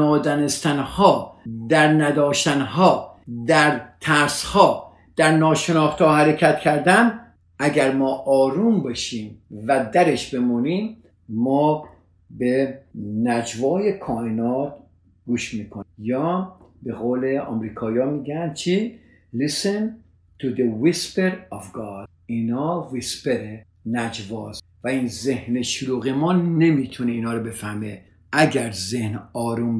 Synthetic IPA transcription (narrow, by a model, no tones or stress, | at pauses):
ɒːd̪ɒːnest̪ænhɒːd̪æɾnæd̪ɒːʃt̪ænɦɒːd̪æɾt̪ʰæɾshɒː | d̪̥æɾnɒːʃenɒːxt̪ɒːhæɾekʰæt̪cʲʰæɾd̪æn | ʔæɡæɾmɒːʔɒːɾuːmbeʃiːmvæd̪æɾeʃbe̞muniːmː | ɒː | benæd͡ʒvɒːjekʰɒːhenɒːt̪̚ | ɡ̥uːʃmiːkʰojɒːbeɣoːleɒ̰ːmɾiːkʰɒːjɒːmiːɡænt͡ʃʰi | lisen | t̪ʰud̪ewispeɾɔvɡɑd | inɒːwispeɾe | næd͡ʒvɔːz | væinzehneʃʊluːɣemɔːnnːemit̪ʰuneiːnɒːɾɔbe̞fæɾme | æɡʲæɾzehnɒːɾum